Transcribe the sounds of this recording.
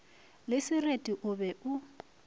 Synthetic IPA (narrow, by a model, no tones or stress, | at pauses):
lɪsɪretʼiʔʊbɛʔʊ